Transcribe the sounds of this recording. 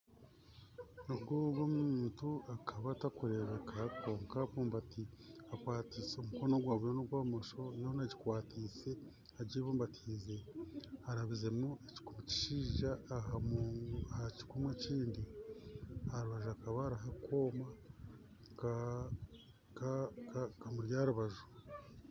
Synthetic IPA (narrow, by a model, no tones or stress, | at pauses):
noɡuɡomuuːntuakʰaβatakuɾe̞βekʰako̞ːŋkapuːmbatiakwaːtiːseomuko̞noɡwaːβujonoɡwaːmoʃo̞jonaɟikwaːtʰiːse̞ | aɟiβoːmbatʰize̞aɾaβize̞mueci̥kumuci̥ʃiːʒaːɦamːahaci̥kumweciːndi | haɾuβaʒuakaβaɾaɦakʰo̞ma | kakamuɾjaːɾuβaʒu̥